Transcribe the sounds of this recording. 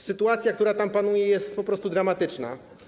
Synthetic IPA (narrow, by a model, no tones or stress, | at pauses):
sɘt̪uat̪sʲjakt̪uɾat̪ampanujɛjɛst̪pɔpɾɔst̪ud̪ɾamat̪ɘt͡ʂna̰